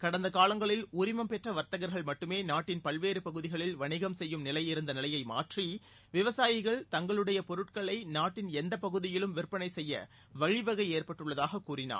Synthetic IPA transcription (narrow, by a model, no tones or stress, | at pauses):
kɐɽɐnd̪ɐkaːlɐŋɡɐɭɪlʊɾɪmɐmpɛʈrɐʋɐɾt̪ɐɣɐɾɣɐɭmɐʈːɯmeːnaːʈːɪnpɐɭʋeːɾɯpɐɣɯðɪɣɐɭɪlʋɐɳɪɣɐmsɛjːɯmnɪlɐjɪɾɯnd̪ɐnɪlɐjɐɪma̰ːʈri | ʋɪʋɐsaːjɪɣɐɭt̪ɐŋɡɐɭɯɽɐjɐpɔɾɯʈ̚kɐɭɐɪnaːʈːɪnɛnd̪ɐpɐɣɯðɪjɪlɯmʋɪɾpːɐnɐɪsɛjːɐ̰ | ʋɐɻɪʋɐɣɐɪeːrpɐʈːɯɭːɐðaːɣɐkːuːrɪna̰ː